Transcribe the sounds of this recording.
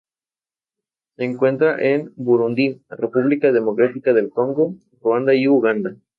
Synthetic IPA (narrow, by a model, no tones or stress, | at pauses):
seːŋkwe̞nt̪ɾaʔenbuɾund̪irepuβlikaðe̞mo̞kɾat̪ikaðe̞lko̞ŋɡo̞ | roand̪aiuɣand̪a